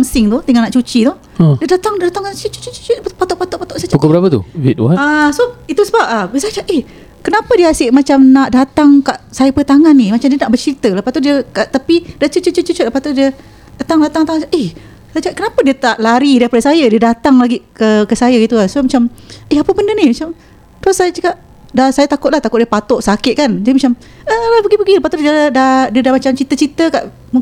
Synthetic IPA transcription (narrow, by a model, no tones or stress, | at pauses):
amsɪŋt̪ut̪iŋanaʔt͡ʃut͡ʃit̪ɔh | diədat̪aŋddat̪aŋaət͡ʃut͡ʃut͡ʃut͡ʃopat̪ɔʔpat̪ɔʔpat̪ɔʔsat͡ʃaukabəɾapat̪ṵwit̪̚waasoit̪usəbap̚abəsat͡ʃaʔeh | kənapadiəasɪʔmat͡ʃamnaʔdat̪aŋkaʔsajəpət̪aŋanːimat͡ʃamdiənaʔbərt͡ʃɾit̪ələpast̪udiəkaʔt̪apidiət͡ʃət͡ʃət͡ʃət͡ʃut͡ʃət̪ləpast̪udiə | at̪aŋdat̪aŋt̪aŋaaʔeh | sajt͡ʃəkaʔkənapədiət̪aʔlaɾidaɾipadəsajədiədat̪aŋlaɡikəkəsajaɡit̪ukasmat͡ʃamehapəbəndənimat͡ʃam | t̪ɾosːajat͡ʃəkaʔ | dasajat̪akʊt̪̚laht̪akʊt̪̚diəpat̪ʊʔsakɪt̪̚kand͡ʒadimat͡ʃam | ʔəlahpəɡipəɡiləpast̪udadadiədahmat͡ʃamt͡ʃit̪ət͡ʃit̪əka̰ʔ | mu